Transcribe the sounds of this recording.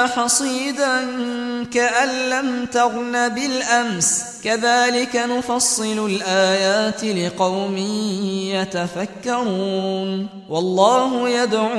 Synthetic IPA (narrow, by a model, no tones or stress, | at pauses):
ħɑsˤiːd̪aŋkaʔanːamt̪aɣnabɪlʔams | kaðaːlɪkanʊfɑsˤːɨlʊlʔaːjaːt̪ɪlɪqɑwmɪjat̪afakːɑɾuːn | wɑlˤːɑːɦʊjad̪ʕu